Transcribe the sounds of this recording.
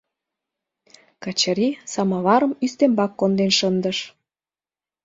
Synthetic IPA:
kɑt͡ɕɑɾisɑmɑβɑɾə̆myst̪embɑkːond̪enʃənd̪əʃ

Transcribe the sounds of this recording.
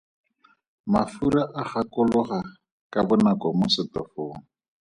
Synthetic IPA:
mafuɾaʔaχakʊlʊχa | kabʊnakɔmʊsɪtɔfoːŋ̩

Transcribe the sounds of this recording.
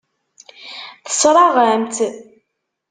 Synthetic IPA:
θə̥sɾˤɑʁamt̪

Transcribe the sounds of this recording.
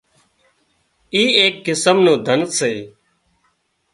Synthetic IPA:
iːeːkːɪsəmnũːd̪ʱənseː

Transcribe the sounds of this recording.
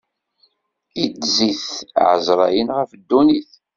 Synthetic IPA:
idziθʕə̰zɾˤɑjənʁəfd̪ːuniθ

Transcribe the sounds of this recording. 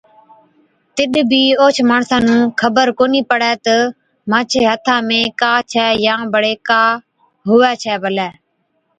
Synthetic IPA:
t̪ɪɗbʱiːoːt͡ʃʰmaːɳsãːnũːkʰəbəɾkoːniːpəɽɛːt̪ə | mãːt͡ʃʰeːɦət̪ʰãːmẽːkaːt͡ʃʰɛːjãːbəɽeːkaː | ɦʊʋɛːt͡ʃʰɛːbəlɛː

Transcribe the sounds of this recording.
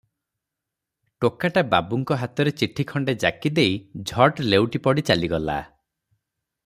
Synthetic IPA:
ʈokaʈababuŋkɔɦat̪ɔɾet͡ʃiʈʰikʰɔɳɖed͡ʒa̰kid̪ejd͡ʒʱɔʈlewʈipɔɽit͡ʃaliɡɔla̰

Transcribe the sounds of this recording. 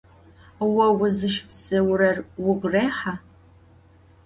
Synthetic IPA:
wɐwʊzɨʃpsɨwrɐrwʊɡʷreːħa

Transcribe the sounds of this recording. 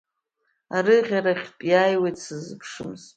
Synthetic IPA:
aɾɨʁʲaɾaχʲtʼjaːjwejtsɨzɨpʰʂɨmz

